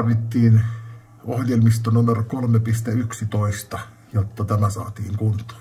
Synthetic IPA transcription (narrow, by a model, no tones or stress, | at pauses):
rʋit̪ːiːn | ohjelmist̪onumerokolmepist̪eyksit̪oist̪ɑ | jot̪ːɑt̪æmæsɑ̰ːt̪iːŋkunt̪ˑo̥ː